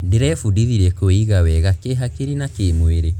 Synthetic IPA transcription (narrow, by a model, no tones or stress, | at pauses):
deɾɛfudiðiɾɛkoiɣawɛɣakeɦakeɾinakemweɾe